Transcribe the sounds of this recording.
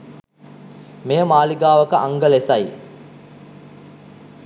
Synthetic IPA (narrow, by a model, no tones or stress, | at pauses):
mejəmaːliɡaːʋəkəʔaŋɡəlesɐj